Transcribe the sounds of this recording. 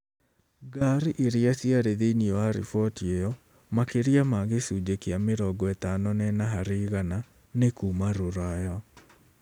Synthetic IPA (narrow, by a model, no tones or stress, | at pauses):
ɡaɾiʔeɾiasiaɾeðeiniɔwaɾḭfɔtiejɔ | makeɾiamaɣesud͡ʒekeameɾɔɡɔetanɔnɛnaɦaɾeɣana | nekuːmaɾoɾajɔ